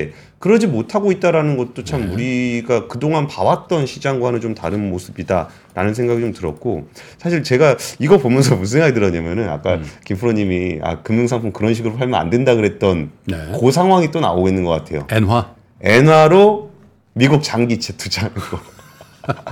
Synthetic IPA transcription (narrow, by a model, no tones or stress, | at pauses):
e | kɯɾʌd͡ʑimotʰaɡoit̚t͈aɾanɯnɡʌt̚t͈ot͡ɕʰamːuɾiɡakɯdoŋɦanpawat̚t͈ʌnɕʰid͡ʑaŋɡwaɦanɯnt͡ɕomtaɾɯnmosʰɯbida̰ | ɾʔa̰nɯnsʰeŋɡaɡit͡ɕomtɯɾʌt̚k͈osʰaɕ̬ʰiɭt͡ɕe̞ɡaiɡʌpomjʌnsʰʌmus̬ʰeŋaɡidɯɾʌɲamjʌnɯna̰k͈akimpʰɯɾoɲimia̰kɯmːuŋsʰaŋpʰoŋkɯɾʌnɕʰiɡɯɾopʰaɭmjʌna̰ndwe̞ndaɡɯɾɦe̞t̚t͈ʌnnekos̬ʰaŋɦwaŋit͈ona̰oɡenːɯnɡʌk͈atʰe̞jo̰enwa | e̞nwaɾo | miɡuk̚t͡ɕaŋɡit͡ɕʰetʰud͡ʑanɡo